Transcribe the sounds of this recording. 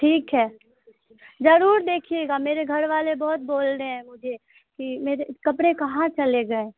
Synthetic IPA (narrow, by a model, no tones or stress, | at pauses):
ʈʰiːkɦɛː | d͡ʒɐɾuːɾd̪eːkʰieɡameːɾeɡʱɐɾʋaːlebɔɦʊt̪̚boːlɾəɦɛ̃mʊd͡ʒʱe | kimeːɾekɐpɽẽkɐɦãt͡ʃɐleɡɐẽ